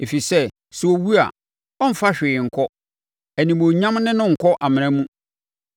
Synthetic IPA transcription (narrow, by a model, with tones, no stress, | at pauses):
e˨fi˨sɛ˦ | sɛ˨wo˨wu˦a̰˨ | ɔ˦m̩˨fa˦ɕᶣɪ˨ŋ̩˨kʰɔ˦ | æ˨nĩ˨mo˨ɲã˦mnɪ̃˦nʊ̃˦ŋ̩˨kʰɔ˦ʔa˨mɪ̃˨ɾ̃ɛ̃˦mũ˦